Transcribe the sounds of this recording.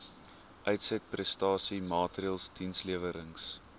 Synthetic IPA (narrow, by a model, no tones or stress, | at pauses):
ʔœɥtsɛt̚prɛstɑːsimɑːtriəlˠstinsliəvəɾəŋs